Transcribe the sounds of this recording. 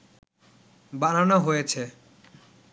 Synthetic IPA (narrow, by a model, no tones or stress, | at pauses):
bananaɦojet͡ʃʰe